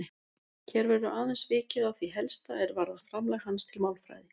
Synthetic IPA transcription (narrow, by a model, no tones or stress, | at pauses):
çɛɾvɛɾʏʔaːðansvɪːcɪðawθviɦɛlst̪aɛɾvaɾðafɾamlajxhanːst̪ʰɪlmawlfɾa̰ːjðɪ